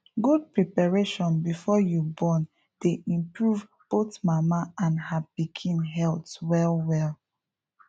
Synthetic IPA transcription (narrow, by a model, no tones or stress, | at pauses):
ɡud̚pɹipaɹeʃɔ̃nbifɔjubɔ̃n | d̥eʔĩmpɹuv | b̥oθmamaãnhabikʰĩnɦɛltwɛlwɛlˠ